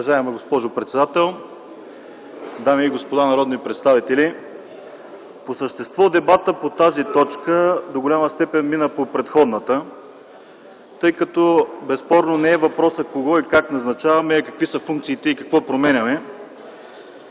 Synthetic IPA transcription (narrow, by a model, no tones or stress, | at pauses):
ovɐʒaɛmɛɡospɔʒopɾɛt̪sɛd̪at̪ɛlˠ | d̪amiːɡospod̪anɐɾɔd̪nipɾɛt̪st̪avit̪ɛlʲi | posəʃt̪ɛst̪vɔd̪ɛbat̪əpot̪azit̪ɔt͡ʃkəd̪oɡolʲamɐst̪ɛpɛnminəpopɾɛt̪xɔd̪nət̪ə | t̪ɤjkɐt̪ɔbɛspɔɾnonɛɛvɐpɾɔsəkoɡɔikaknɐznɐt͡ʃavɐmɛkɐkvisəfuŋk̚t̪siːt̪ɛikɐkvɔpɾomɛnʲɐmɛ